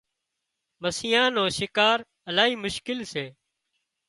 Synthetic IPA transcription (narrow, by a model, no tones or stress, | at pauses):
məsɪjãːnõːʃɪkaːɾ | əlaːɦiːmʊʃkɪlseː